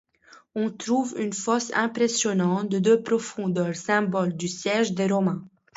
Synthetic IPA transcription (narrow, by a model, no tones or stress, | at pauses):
ɔ̃t̪χuvynfɔsɛ̰̃pχesjɔnɑ̃t̪̚d̪əd̪øpχɔfɔ̃d̪œʁsɛ̃bɔld̪ysjɛʒd̪eʁɔmɛ̃